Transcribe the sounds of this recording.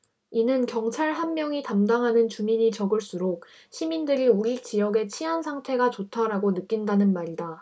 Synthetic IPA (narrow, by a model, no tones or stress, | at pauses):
inɯnkjʌŋt͡ɕʰaɭɦanmjʌŋitamdaŋɦanɯnt͡ɕumiɲit͡ɕʌɡɯɭs͈uɾok̚ | ɕʰimindɯɾiuit͡ɕijʌɡe̞t͡ɕʰiɦansʰaŋtʰe̞ɡat͡ɕotʰaɾaɡonɯk͈indanɯnmaɾida